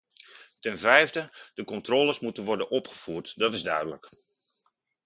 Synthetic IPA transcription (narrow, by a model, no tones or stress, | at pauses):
tɛnvɛjvdəd̥əkɔntroːlˠəsmutənʋɔrdənʔɔpχə̥v̥uːrtdɔtɪzdœɥdələk